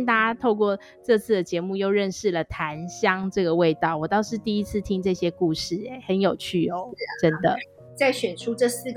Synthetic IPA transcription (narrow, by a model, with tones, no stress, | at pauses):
nt̪a˥˧t͡ɕa˥t̪ʰo˥˧ʊk̬wɔ˥˩ | ʈ͡ʂɤ˥˧t͡sʰɹ̩˥˩d̪ə˩t͡ɕjɛ˧˥mu˥˧jo˥˧ʊɻə˥˧nʂɻ̩˥˩lə˩t̪ʰa˧˦nɕjɑ˦ŋʈ͡ʂɤ˥˩ɡə˩we˥˧ɪt̪ɑ˥˩ʊwɔ˨˩t̪ɑ˥˧ʊʂɻ̩˥˧t̪i˥˩i˦˥t͡s̩ʰ˥˩t̪ʰi˦˥ŋʈ͡ʂɤ˥˧ɕjɛ˥ku˥˧ʂɻ̩˥˩e˨˩˦xə˧˦njo˨˩ʊt͡ɕʰy˥˩ɔ˨˦ʈ͡ʂə˦nd̪ə˨ | t͡sa˥˩ɪɕɥɛ˨˩nʈ͡ʂʰu˥ʈ͡ʂɤ˥˧s̩˥˩ɡ